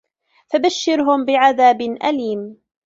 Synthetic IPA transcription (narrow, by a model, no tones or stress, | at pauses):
fabaʃːɪɾɦʊmbɪʕaðaːbɪʔa̰liːm